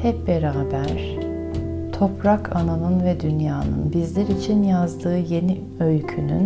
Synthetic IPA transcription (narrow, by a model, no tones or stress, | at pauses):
hɛp̚bɛɾaːbæɾ̥ | t̪ʰo̞pɾakʰananɯnvɛd̪ynjaːnɯ̰nbizlʲɛɾit͡ʃʰinjazd̪ɯːje̞ni | øjcʰyny̰n